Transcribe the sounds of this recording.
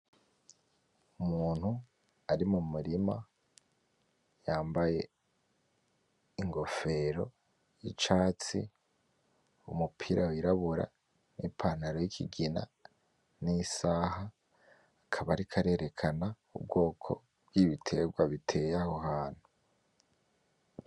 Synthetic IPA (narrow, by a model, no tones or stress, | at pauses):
umuːn̥hu | aɾimumuɾima̰ | jaːmbaje̞ | iŋɡo̞fe̞ɾo̞ | jit͡ʃaːt͡sḭ | umupʰiɾʔawiɾaβuɾa̰ | nipʰaːnaɾojikʰiɡina̰ | nisaːhaː | kʰaβaɾikʰaɾe̞ɾʔe̞kʰana | ṵb̚ɡo̞ːkʰo̞̰ | b̥̚ɡiβitʰe̞ɡwaβitʰe̞jaho̞ɦaːn̥hu